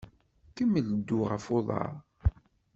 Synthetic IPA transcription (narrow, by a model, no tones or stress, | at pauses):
kəmːəld̪ːʊʁə̰foðˤɑ̰ɾˤ